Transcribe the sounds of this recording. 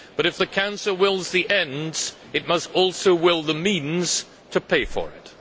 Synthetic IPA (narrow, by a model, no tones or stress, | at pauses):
b̥ʌɾɨfðɨkʰãʊ̃nsəl̩ˠwɪlˠzðiʔɛ̃ndz̥ | ɨt̚mʌstɔlˠsoʊwɪlˠðəmĩnz̥ | tʰɨpʰeɪfə̰˞ɪ̰t̚